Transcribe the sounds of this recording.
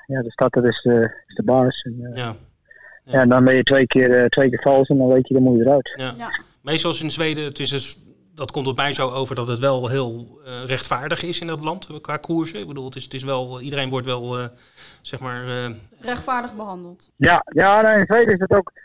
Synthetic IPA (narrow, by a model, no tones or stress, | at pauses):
jadəstat̚dɔtɪsəɪsdəbaːsɛna | jandɔnbɛnjətʋejkɪərtʋejkɪːfɑlˠsɛndɔnʋejtjədəmuədəɾœɥta | mejstɑlˠsɪnzʋejdəətɪsəs | dɑtkomtɔpmɛjzowowvəɹdɑtətʋɛlˠɦɪːlˠrɛχtfaːɹdəχɪsɪndɑtlɑntkʋaːkʰuːɹsəɪɡ̚bəduːlˠtɪstɪs̬ʋɛlˠidərejnʋɔɹtʋɛlˠ | z̥ɛχmaːɹə | rɛxtfaːɹdəχbəɦɑndəlˠt | jajanaɪnzʋejdəɪsdətowk